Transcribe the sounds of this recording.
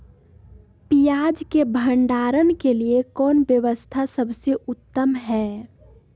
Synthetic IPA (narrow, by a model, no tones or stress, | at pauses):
pijaːd͡ʒkebʱə̃ɳɖaːɾənkeliekɔːnʋjəʋəst̪ʰasɐbseʔʊt̪ːəmɦɛː